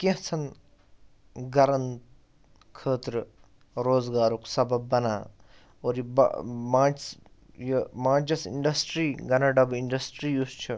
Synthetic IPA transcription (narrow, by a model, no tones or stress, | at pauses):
kẽɦt͡sʰɐn | ɡɐɾɐn | kʰəːt̪ɾə | ɾoːzɡaːɾoksɐbɐbːɐnaː | oːɾjib̰mãːt͡ʃs | jimãːt͡ʃɐsḭɳɖɐsʈɾiːɡɐnaɖɐbiɳɖɐsʈɾiːjust͡ʃʰu